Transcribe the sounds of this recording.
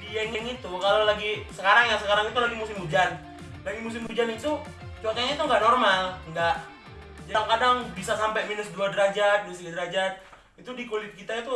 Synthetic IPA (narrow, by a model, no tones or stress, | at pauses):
dijɛŋɛŋit̪ukalolaɡisəkaɾaŋjaŋsəkaɾaŋit̪ulaɡimusɪmud͡ʒan | laɡimus̬ɪmud͡ʒanit̪u | t͡ʃuakaɲait̪uŋɡaʔnɔrmalŋɡaʔ | d͡ʒaaŋkadaŋbisasampajminʊsduadəɾad͡ʒat̪̚duas̬ɡadəɾad͡ʒat̪̚ | it̪udikulɪt̪̚kit̪ait̪u